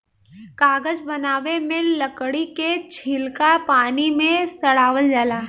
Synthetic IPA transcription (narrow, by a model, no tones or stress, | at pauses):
kaːɡəd͡ʒbɐnaːʋemẽlɐkɽiket͡ʃʰilkapaːnimẽsɐɽaːʋəld͡ʒaːlaː